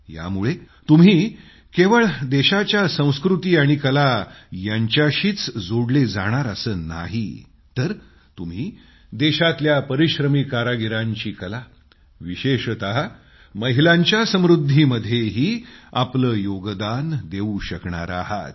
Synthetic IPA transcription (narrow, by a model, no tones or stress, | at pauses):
ja̰muɭe | t̪um̤iː | keʋəɭd̪eɕat͡ɕjasə̃w̃skɾut̪iːaɽ̃ikəlajaɲt͡ɕjaɕiːt͡sd͡zoɽled͡zaɽ̃aɾəsəːna̰ɦḭ | t̪əɾ | t̪um̤iː | d̪eɕat̪ljapəɾiɕɾəmikaɾaɡiɾãɲt͡ɕiːkəla | ʋiɕeɕət̪aɦ | məɦilaɲt͡ɕjasəmɾud̪ʱːiməd̪ʱjeɦiːapləːjoɡd̪and̪euɕəkɳa̰ɾa̰ɦa̰t̪̚